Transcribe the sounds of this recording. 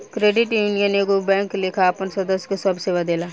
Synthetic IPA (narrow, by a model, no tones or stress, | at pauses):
kɾeːɖɪʈjuːnijənekobɛ̃ːŋklɪkʰaːpənsɐd̪əsjkosɐbseːʋad̪eːlaː